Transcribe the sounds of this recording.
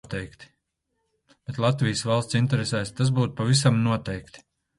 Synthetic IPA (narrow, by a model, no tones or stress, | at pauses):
t̪ɛjkt̪i̥ | b̥et̪lˠat̪vijsvalˠst̪sint̪ɛɾesɛjst̪asbuːt̪u̥pavisamnuɔt̪ɛjkt̪i̥